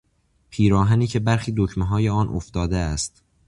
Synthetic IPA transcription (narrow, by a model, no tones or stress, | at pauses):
pʰiːɾɒːɦæniːcʰe̞bæɾxiːd̪ocʰmeɦɒːje̞ɒːnʔoft̪ɒːd̪eæst̪